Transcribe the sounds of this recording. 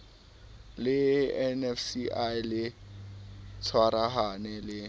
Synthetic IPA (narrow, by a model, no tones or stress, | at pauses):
lɪɛnɛfsiʔajlɪ | t͡sʰwaɾaɦanɛlɪ